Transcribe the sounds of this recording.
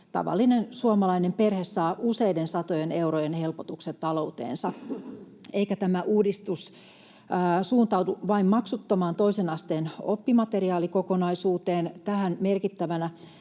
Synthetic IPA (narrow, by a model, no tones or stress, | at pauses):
t̪ɑ̰ʋɑ̰lːinensuomɑlɑinemperhessɑːʔusejdensɑt̪ojenewrojenhelpot̪ukset̪t̪ɑlo̞ut̪ḛːnsɑ | ʔeikæt̪æmæʔuːdist̪usː | suːnt̪ɑut̪uʋɑimmɑksut̪ːɑmɑːnt̪oisenɑst̪eːnopːimɑt̪eriɑːlikokonɑisuːt̪eːnt̪æhænmerkit̪ːæʋænæ